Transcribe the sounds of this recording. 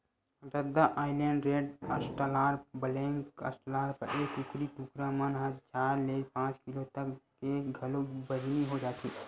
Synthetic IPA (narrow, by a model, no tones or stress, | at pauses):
ɾəd̪aʔaːɪleːɳɖɾeːɖəsʈəlaːɾbəlẽːŋkə̰sʈəlaːɾpəɾʔeːkukɾit̪ukɾamənɦət͡ʃaːɾleːpãːt͡ʃkɪlot̪əkː | eɡʱɐlobəd͡ʒniɦod͡ʒaːt̪iː